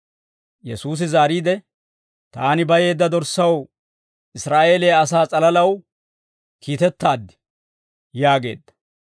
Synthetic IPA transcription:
jɛsuːs̬ɪzaːɾiːd̪ɛ | t̪aːnɪbɐje̞ːd̪ːɐd̪ɔɾsɐw | ʔɪsɾaːʔe̞ːleːɐsaːt͡sʼɐlɐlɐw | kiːt̪ɛt̪ːaːd̪ːɪ̥ | jaːɡe̞̰ːd̪ːɐ̥

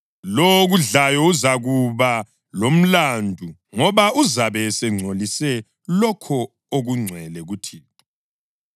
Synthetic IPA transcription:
loɣuɮajɔuzaɣuβa | lom̩landʱu | ŋɔβauzaβɛsɛŋ͡ǀʱolisɛ | lɔkʰɔ | oɣuŋ͡ǀʱwɛlɛɣutʰiː

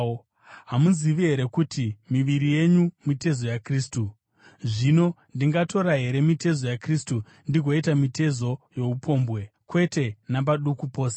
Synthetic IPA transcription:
ɦamuziʋiɦe̞ɾe̞kutimiʋiɾije̞ɲumite̞zo̞jakriːstu | ʐino̞ndiŋɡato̞ɾaɦe̞ɾe̞mite̞zo̞jakristu | ndiɡʱwoitamite̞zo̞je̞upʰo̞ːmbwe̞kwe̞te̞nabaɗukupoːsḁ

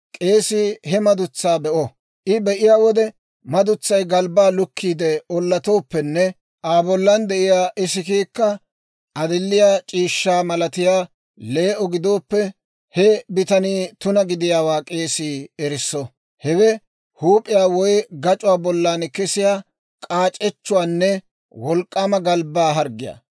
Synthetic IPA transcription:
kʼe̞ːsihɛmɐd̪ʊt͡sːaːbɛʔɔ | ʔɪbɛʔɪjaːwɔd̪ɛ | mɐd̪ʊt͡sːɐjɡɐlbaːlʊkːiːd̪ɛɔlːɐt̪o̞ːpːɛnːɛ | ʔaːbɔlːɐnd̪ɛʔɪjaːʔɪsɪkiːkːɐ | ʔɐd̪ɪlːɪjaːt͡ʃʼiːʃːaːmɐlɐt̪ɪjaː | le̞ːʔɔɡɪd̪o̞ːpːɛ | hɛbɪt̪ɐniːt̪ʊnɐɡɪd̪ɪjaːwaːkʼe̞ːsiːɛɾɪsːɔ | hɛɡɛ | huːpʼɪjaːwɔjɡɐt͡ʃʼʊwaːbɔlːaːnkɛsɪjaː | kʼaːt͡ʃʼːɛt͡ʃːʊwaːnːɛ | wɔlkʼːaːmɐɡɐlbaːɦɐɾɡɪja̰

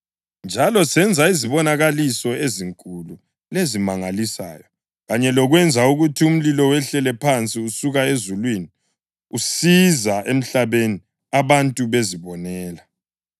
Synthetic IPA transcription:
nd͡ʒʱalɔsɛnd͡zʱaiziβɔnaɣalisɔeziŋkʼulu | lezimaŋalisa̰ːjɔ | ɣaɲɛlɔɣwɛnd͡zʱauɣutʰium̩lilɔwɛɬɛlɛpʰant͡sʼiusuɣaezulwini | usizaʔem̩ɬaβeni | aβantʼuβeziβɔnɛːla

